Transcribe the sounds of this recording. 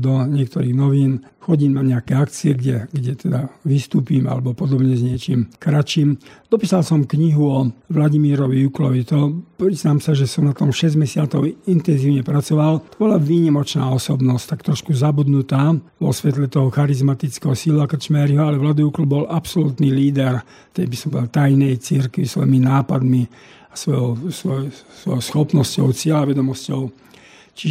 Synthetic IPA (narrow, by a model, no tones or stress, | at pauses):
d̪ɔɲɪɛk̚t̪ɔɾiːɣnɔʋiːn | xɔɟiːmnaɲɛakɛakt͡siɛɡɟɛɡɟɛt̪ɛd̪aʋist̪uːpiːma̰lɛbɔpɔd̪ɔbɲɛzɲɪɛt͡ʃiːmkɾat͡ʃiːmd̪ɔpiːsalsɔmkɲiɦuɔʋlaɟimiːɾɔʋijuklɔʋit̪ɔpɾiznaːmsaʒɛsɔmnat̪ɔmʃɛzɟmɛsɪat͡sɔʊint̪ɛnziːʊɲɛpɾat͡sɔʋalt̪ɔbɔlaʋiːɲimɔt͡ʃnaːɔsɔbnɔsct̪akt̪ɾɔʃkuzabud̪nut̪aːʋɔsʋɛt̪̬lɛt̪ɔɦɔxaɾizmat̪it͡skɛɦɔsilakr̩t͡ʃmɛɾiɦɔalɛʋlad̪ujuklbɔlʔapsɔlut̪niliːd̪ɛɾ | t̪ɛjbisɔmbɔd̪alt̪ajnɛjt͡siɾkʋisʋɔ̰jiminaːpad̪mi | asʋɔjɔʊsʋɔjsʋɔjɔʊsxɔpnɔscɔʊt͡sɪɛlaʋɛd̪ɔmɔscɔʊ | t͡ʃiʒ